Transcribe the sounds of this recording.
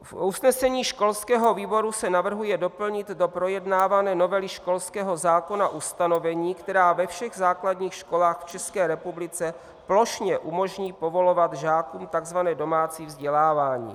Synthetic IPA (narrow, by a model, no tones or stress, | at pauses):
fʔusnɛsɛɲiːʃko̞lskɛːɦo̞viːbo̞ɾusɛnavr̩ɦujɛdo̞pl̩ɲɪt̪do̞pɾo̞jɛdnaːvanɛːno̞vɛlɪʃko̞lskɛːɦo̞zaːko̞naʔust̪ano̞vɛɲiːkt̪ɛɾaːvɛfʃɛɣzaːkladɲiːxʃko̞laːxft͡ʃɛskɛːɾɛpublɪt͡sɛ | plo̞ʃɲɛʔumo̞ʒɲiːpo̞vo̞lovat̪ʒaːkumt̪aɡzvanɛːdo̞maːt͡siːvzɟɛlaːvaːɲḭː